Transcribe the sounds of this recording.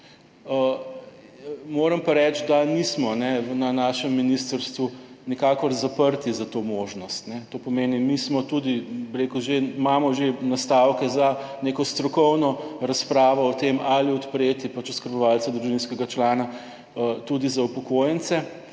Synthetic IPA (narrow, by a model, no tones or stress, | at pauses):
ə | moːɾɐmpaɾɛt͡ʃd̪anismɔnɛwnanaːʃɛmːinist̪əɾst̪ʋunikaːkɔɾzapəɾt̪izat̪omoːʒnɔst̪nɛt̪opɔmeːnimismɔt̪ud̪ibiɾekuʒemamɔʒenast̪awkɛzaneːkɔst̪ɾɔkɔwnɔɾaspɾaːʋɔːt̪emaliɔt̪pɾeːt̪ipat͡ʃuskəɾbɔʋalt̪sad̪ɾuʒinskɛɡat͡ʃlaːna | ət̪ud̪izaupɔkojɛnt̪sɛ